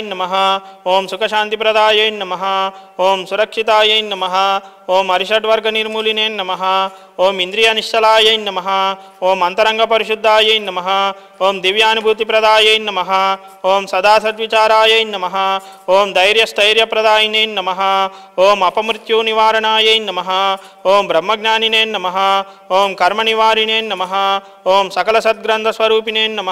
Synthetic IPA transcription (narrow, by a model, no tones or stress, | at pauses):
nːɐmɐɦɐ̆oːmsukɐʃaːnt̪ipɾɐd̪aːjɐjnːɐmɐɦɐoːmsuɾɐkʂit̪aːjɐjnːɐmɐɦɐ̆ | oːmɐɾiʃɐʈʋɐɾɡʱɐniɾmulineːnːɐmɐɦɐ̆ | oːmind̪ɾijɐniʂt̪ɐlaːjɐjnːɐmɐɦɐ̆ | oːmɐnt̪ɐɾɐŋɡʱɐpɐɾiʃud̪ʱːaːjɐjnːɐmɐɦɐ | oːmd̪iʋjaːnubʱuːt̪ipɾɐd̪aːjɐjnːɐmɐɦɐ̆ | oːmsɐd̪aːsɐt̪ʋit͡ʃaːɾaːjɐjnːɐmɐɦɐ | oːmd̪ɐjɾjɐst̪ʰɐjɾjɐpɾɐd̪aːjineːnːɐmɐɦɐ̆ | oːmɐpɐmɾit̪juːniʋaːɾɐɳaːjɐjnːɐmɐɦɐ̆ | oːmbɾɐmːɐɡnaːnineːnːɐmɐɦɐ̆ | oːmkɐɾmɐniʋaːɾineːnːɐmɐɦɐ | oːmsɐkɐlɐsɐt̪̚ɡɾɐnt̪ʰɐsʋɐɾuːpineːnːɐmɐ